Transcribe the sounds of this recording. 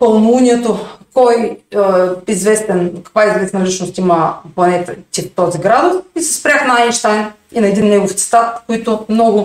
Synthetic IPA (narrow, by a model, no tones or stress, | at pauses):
pɐlˠnuunʲiɛt̪okɔj | izvɛst̪ɛnkɐ̥kvaizvɛsnɐlʲit͡ʃnost̪iməplˠɐnɛt̪ɐt̪it̪ɔziɡɾad̪ofisɛ̥spɾʲaxnɐanʃt̪ajn | inɐɛd̪inːɛɡoft̪sɛ̥t̪at̪koit̪ʊmnɔɡʊ